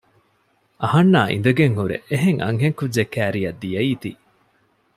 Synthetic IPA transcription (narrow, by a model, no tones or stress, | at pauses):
ʔɐhɐnːaːʔḭnd̪ɐɡeŋhuɾḛʔeɦeŋʔɐ̰ŋɦeŋkudd͡ʒekæːɾijɐd̪ːijɐiːt̪i